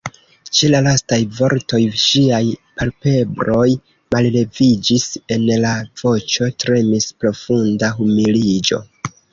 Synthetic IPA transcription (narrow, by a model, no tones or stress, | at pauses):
t͡ʃelalastajvo̞ɾto̞jʃiajpalpe̞bɾo̞j | malle̞vid͡ʒise̞nlav̥o̞t͡ʃo̞tɾe̞mispɾo̞fundaɦumilid͡ʒo̞̰